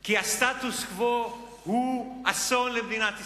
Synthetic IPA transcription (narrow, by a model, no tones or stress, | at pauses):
kiast̪at̪uskvo | ɣuasonlemd̪inat̪i